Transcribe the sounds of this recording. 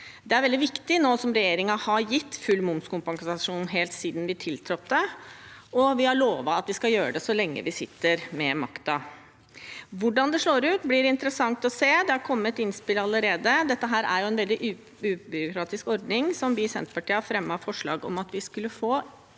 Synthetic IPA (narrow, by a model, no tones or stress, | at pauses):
d̪ɛæɾʋɛld̪ɪʋɪkt̪ɪnoːsɔmɾɛjeːɾɪŋɑhɑɾjɪt̪ːfʉlːmʊmskʊmpɑŋsɑʂuːnɦeːlt̪siːd̪nʋɪt̪ʰɪlt̪ʰɾɔt̪d̪ə | ɔʋɪhɑɭoːʋɑɑt̪ʋɪskɑljøːɾəd̪ɛsɔlɛŋːə̰ʋɪsɪt̪ːəɾmɛmɑ̰kt̪ɑ | ʋʊɖɑnd̪ɛʂɭoːɾʉːt̪blɪɾɪnt̪əɾəsɑŋt̪ɔseːd̪ɛhɑɾkʰɔmːət̪ɪnspɪlɑləɾeːd̪əd̪ɛt̪ːəɦæːɾæ̰ɾjʊɛnʋɛld̪ɪʔ | ʉːbʏɾʊkɾɑːt̪ɪskɔɾd̪nɪŋsɔmʋɪsɛ̰nt̪pɑʈiːɑfɾɛmːɑfɔʂɭɑ̰ːɡɔ̰mɑt̪ʋɪskʉlːəfoː